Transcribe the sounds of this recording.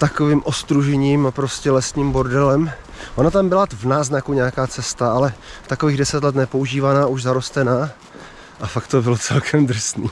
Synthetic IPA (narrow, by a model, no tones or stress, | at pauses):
t̪akoviːmʔo̞st̪ɾuʒɛɲiːmapɾoscɛlɛsɲiːmbo̞ɾdɛlɛm | ʔonat̪ambɪlavnaːznakuɲɛakaːt͡sɛst̪aalɛt̪akoviːɣdɛsɛt̪lɛt̪nɛpo̞uʒiːvanaːuʒzaɾo̞st̪ɛnaː | ʔafakt̪obɪlot͡sɛlkʰɛmd̪r̩sniː